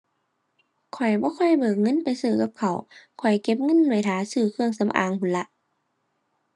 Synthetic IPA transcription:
kʰɔ˨˩jbɔː˧˦kʰɔ˧˥˩jbɤː˨˩k̚ŋɤ˧˥˨npa˨jsɯː˧˩ka˧˦p̚kʰa˨˩wkʰɔ˨˩jke˧˦p̬̚ŋɤ˧˥˨nːu˧˩˨jt̪ʰaː˨˦sɯː˧˩kʰɯ˧əŋsa˧˦mʔa̰ː˨˩ŋpʰuː˨nla˧˦ʔ

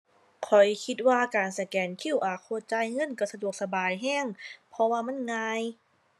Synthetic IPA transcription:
kʰɔ˨˩jkʰi˧t̪̚waː˧kaː˨˩nsa˧˩kɛː˨˩nkʰi˧˥˩wʔaː˨˩kʰoː˧˥˨t͡ɕa˧˨jŋɤ˧˥˨nka˧˩sa˧du˨˩ək̚sa˧baː˨˩jɦɛː˧˥˩ŋpʰɔ˧waː˧ma˧˥˨nŋaː˧j

